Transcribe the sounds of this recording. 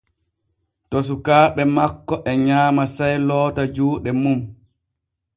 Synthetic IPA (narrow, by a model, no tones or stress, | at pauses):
tos̬ukaːɓɛmakːɔʔɛɲaːmasajlɔːtad͡ʒuːɗɛmum